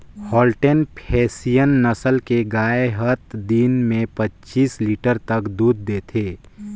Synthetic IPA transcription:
hɔːlʈenpʰɛːsijənːəsəlkeɡaːeɦət̪d̪inmẽpətːt͡ʃiːsliːʈəɾt̪əkd̪uːd̪̚ːeːt̪ʰeː

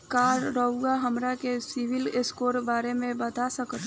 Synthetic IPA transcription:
kaːɾːəʊɡaɦɐmɾakesɪʋɪlɪskoːɾbaːɾemẽbɐt̪asəkt̪

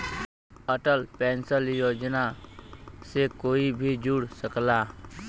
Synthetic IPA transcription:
əʈəlpɛ̃ːnsəljoːd͡ʒna | sekoːibʱid͡ʒuɽsəklaː

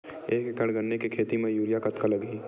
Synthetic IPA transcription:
eːkekəɽɡɐnnekekʰeːt̪imẽjuːljakɐt̪kalɐɡiː

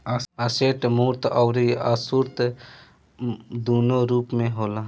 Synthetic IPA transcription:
aseːʈmuːɾt̪ɔwɾiaːsuɾt̪ | d̪uːnoːɾuːpmẽɦoːlaː

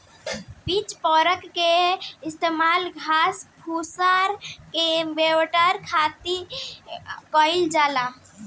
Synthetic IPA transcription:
bit͡ʃpɔɾəkːeist̪emalɡʱaspʰusaɾkebewʈəɾkʰat̪i | kɔɪld͡ʒala

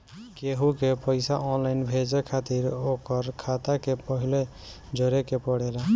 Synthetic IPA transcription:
keɦukepəɪsa̰ʔɔnlaɪnbʱed͡ʒekʰat̪iɾokəɾkʰat̪akepəɦile | d͡ʒəɾekepɔɽela

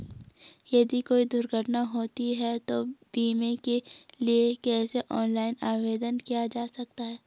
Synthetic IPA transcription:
jɐd̪ikoːid̪ʊɾɡʱəɾʈnaɦoːt̪iɦɛt̪obiːmekeliekɛːseʔɔːnlaːɪnaːʋeːd̪ənkijad͡ʒaːsɐk̚t̪aɦɛː

